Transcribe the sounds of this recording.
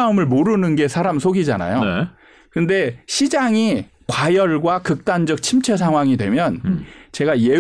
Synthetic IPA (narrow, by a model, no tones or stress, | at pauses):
amɯɭmoɾɯnɯnɡe̞sʰaɾamsʰoɡid͡ʑana̰jo | kɯnde̞ɕʰid͡ʑaŋi | kwajʌɭɡwakɯk̚t͈and͡ʑʌk̚t͡ɕʰimt͡ɕʰes̬ʰaŋɦwaŋidwe̞mjʌnt͡ɕe̞ɡaje̞